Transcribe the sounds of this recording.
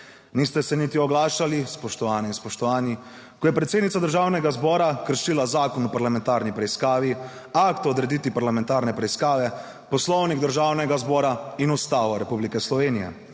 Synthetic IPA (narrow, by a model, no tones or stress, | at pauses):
niːst̪ɛsɛnit̪iɔɡlaːʃalispɔʃt̪ɔʋaːnɛinspɔʃt̪ɔʋaːni | kɔjɛpɾɛt̪seːd̪nit̪sad̪əɾʒaːwnɛɡazbɔːɾakəɾʃilazaːkɔnɔpaɾlamɛ̃nt̪aɾnipɾɛiskaːʋi | akt̪ɔd̪ɾɛd̪it̪ipaɾlamɛ̃nt̪aɾnɛpɾɛiskaːʋɛ | pɔslɔwniɡd̪əɾʒaːwnɛɡazbɔːɾainust̪aʋɔɾɛpublikɛslɔʋeːnijɛ̰